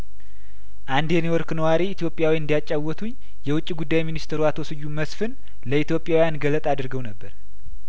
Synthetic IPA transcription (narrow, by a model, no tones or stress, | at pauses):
ʔand̪enewɔɾknəwaɾiːt̪jo̞pʼːjawiɨnd̪ijat͡ʃʼːawːɔt̪ʰuɲ | jɛwʊt͡ʃʼːiɡud̪ːajminist̪ʰeɾuat̪ʰo̞sɨjːuməsfɨn | ləit̪jo̞pʼːjawijanɡələt̪ʼad̪ɨɾɡəwnəbːəɾ